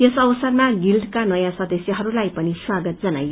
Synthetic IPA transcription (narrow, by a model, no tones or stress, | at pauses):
jesʌwʌsʌrmaɡilɖkanʌjãsʌd̪ʌsjʌɦʌɾulajpʌniswaɡʌt̪̚d͡zʌnajo